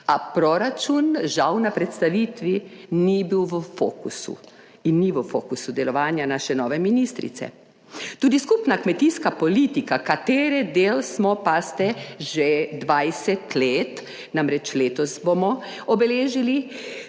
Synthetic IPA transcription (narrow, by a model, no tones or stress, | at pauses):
apɾɔɾat͡ʃunʒawnapɾɛt̪st̪aʋiːt̪ʋinibiwʋəfo̰ːkṵsṵ | inːiʋəfoːkusud̪ɛlɔʋaːnjanaːʃɛnɔːʋɛminist̪ɾḭt̪sɛ̰ | t̪uːd̪iskupnakmɛt̪iskapɔlit̪ikakat̪eːɾɛd̪eːlsmɔpast̪ɛʒɛd̪ʋajsɛt̪leːt̪ | namɾɛt͡ʃleːt̪ɔsbomɔ | ɔbɛleːʒili